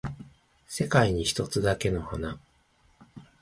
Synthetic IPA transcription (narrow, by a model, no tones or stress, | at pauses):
se̞kaiɲ̟içi̥t̪o̞t͡sɨd̪ake̞no̞hona